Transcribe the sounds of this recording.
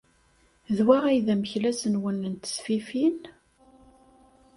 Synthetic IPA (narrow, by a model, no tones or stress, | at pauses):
ðwæʁæjðæməçlæsənwənːənt̪ə̥sfifin